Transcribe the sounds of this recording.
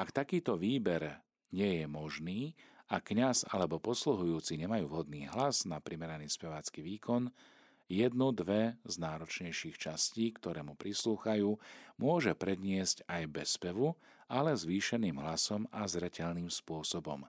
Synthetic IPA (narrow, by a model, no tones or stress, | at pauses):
ʔakt̪akiːt̪ɔʋiːbɛɾ | ɲɪɛjɛmɔʒniːakːɲaza̰lɛbɔpɔsluɦujuːt͡siɲɛmajuːʋɦɔd̪̚niːɦlaznapɾimɛɾaniːspɛʋaːt͡skiʋiːkʰɔn | jɛd̪nud̪ʋɛznaːɾɔt͡ʃɲɛjʃiːxt͡ʃasciːkt̪ɔɾɛːmupɾisluːxajuːmʊɔʒɛpɾɛd̪ɲɪɛscajbɛspɛʋu | alɛzʋiːʃɛniːmɦlasɔmazɾɛcɛʎniːmspʊɔsɔbɔ̰m